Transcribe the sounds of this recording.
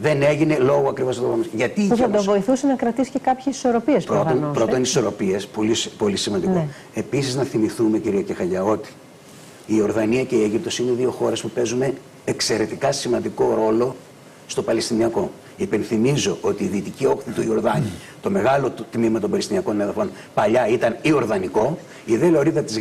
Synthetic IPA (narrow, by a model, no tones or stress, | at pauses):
ðe̞ne̞ʝine̞lo̞ɣoɐkɾivost̪opɐmisʝɐt̪ipuɐd̪ovo̞iθusenɐkɾɐt̪iscekɐpçesi̥soɾopiespɾot̪onpɾott̪oniso̞ɾo̞piespo̞lispo̞lisimɐnd̪iko | e̞pisiznɐθimiθume̞ciɾiʝɐcexɐʎɐo̞t̪i̥ː | o̞ɾðɐniɐce̞ieʝip̚t̪o̞sine̞ðio̞xo̞ɾe̞spupe̞zune̞ː | kse̞ɾe̞t̪ikɐsimɐnd̪iko̞ɾo̞lo̞ | st̪o̞pɐlest̪iniɐko̞ | ipe̞nθimizo̞ʔo̞t̪iːðiːt̪icio̞xθit̪uio̞ɾðɐni | t̪o̞me̞ɣɐlo̞t̪mimɐt̪o̞mbɐlest̪iniɐko̞neðɐfo̞n | pɐʎɐit̪ɐnio̞ɾðɐniko̞ | iðeloɾiðɐt̪iz